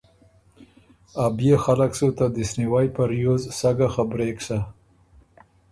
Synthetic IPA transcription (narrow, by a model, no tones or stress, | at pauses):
abjexalaksot̪ad̪əsniwajpaɾjozsaɡaxabɾeksa